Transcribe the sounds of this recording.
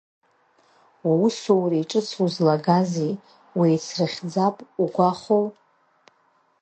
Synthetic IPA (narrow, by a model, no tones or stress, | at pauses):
ausuwrijʈ͡ʂʼɨt͡sʰuzlaɡazi | wijt͡sʰrɨχʲd͡zapʼuɡʷaχow